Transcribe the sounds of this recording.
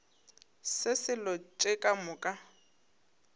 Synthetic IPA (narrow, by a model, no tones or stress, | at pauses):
sɪsɪlɔt͡ʃʼɪkʼamʊkʼa